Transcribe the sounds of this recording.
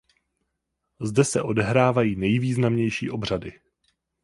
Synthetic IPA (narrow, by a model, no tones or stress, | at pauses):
zdɛsɛʔo̞dɛɦɾaːvajiːnɛjviːznamɲɛjʃḭːʔo̞br̝adɪ